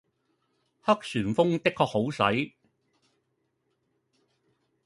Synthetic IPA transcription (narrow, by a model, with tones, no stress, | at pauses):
hɐ˥k̚syː˨˩nfʊ˥ŋt̪ɪ˥kʰːɔː˧k̚ho˨˥wsɐ˨˥j